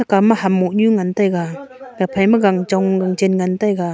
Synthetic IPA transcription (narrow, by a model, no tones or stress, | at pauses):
akamahamːɔʔɲuŋantajɡaɡapʰajmaɡaŋd͡ʒɔŋɡaŋd͡ʒenŋantajɡa